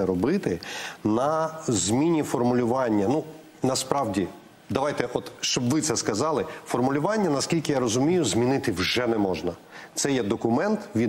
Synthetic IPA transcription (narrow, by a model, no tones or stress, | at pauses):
ɛɾɔbɪt̪ɪnɐzʲmʲinʲifɔrmʊlʲʊʋɑnʲːɐnu | nɐspɾɑwdʲi | d̪ɐʋɑjt̪ɛʔɔt̪ʃt͡ʃɔbʋɪt̪sɛskɐzɑlˠɪfɔrmʊlʲʊʋɑnʲːɐnɐskʲilʲkɪjaɾɔzʊmʲijʊzʲmʲinɪt̪ɪwʒɛnɛmɔʒnɐt̪sɛjɛd̪ɔkʊmɛnt̪ʋʲi